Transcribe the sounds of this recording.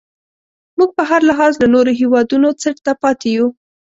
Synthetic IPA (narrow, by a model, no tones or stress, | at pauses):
muɡ̚pəɦaɾlaɦɑzlanoɾoɦiwɑd̪unot͡səɽt̪apɑt̪eju